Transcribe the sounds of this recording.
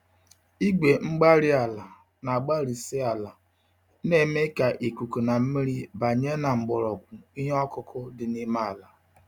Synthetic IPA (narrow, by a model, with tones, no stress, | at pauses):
i˦ɡ͡be˨ŋ͡m̩˦ɡ͡ba˦ɾɪ˦a˨la˨ | na˨ɡ͡ba˦ɾi˨sɪ˦a˨la˨˦ | ne˦me˦ka˨ʔe˨ku˨ku˨na˨m̩˦mi˦ɾi˦ba˨ɲe˦na˨ŋ͡m̩˨ɡ͡bɔ˨ɾɔ˨kʷʊ˨i˦ɦɔ˦kʊ˦kʰʊ˦dɪ˨ni˦ma˦˨la˨